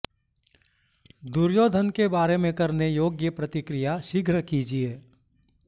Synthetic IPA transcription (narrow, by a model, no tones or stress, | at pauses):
d̪uɾjoːd̪ʱənkebaːɾemẽkɐɾnejoːɡjəpɾət̪ɪkɾijaʃɪɡʱɾəkid͡ʒieː